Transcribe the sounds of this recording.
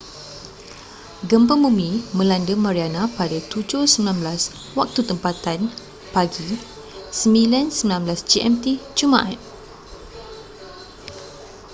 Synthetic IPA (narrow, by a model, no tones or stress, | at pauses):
ɡəmpəmbumĩmə̃landəmãɾianãpadat̪ud͡ʒohsəmilãnblas | wak̚t̪ut̪əmpat̪an | paɡi | səmilansəmilãnmblasd͡ʒiʔɛmt̪id͡ʒumãʔat̚